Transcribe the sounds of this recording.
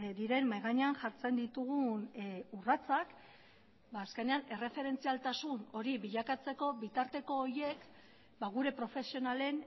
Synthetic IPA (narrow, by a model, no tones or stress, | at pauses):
d̪iɾe̞mːajɣaɲeanʝaɾt͡se̞nd̪it̪uɣ̞unurat͡sak | baːske̞ne̞ane̞re̞fe̞ɾe̞nt͡sialt̪asuno̞ɾiβiʎakat͡se̞ko̞βit̪aɾt̪e̞ko̞ːɾje̞k | baɣ̞uɾe̞pɾo̞fe̞sio̞nale̞n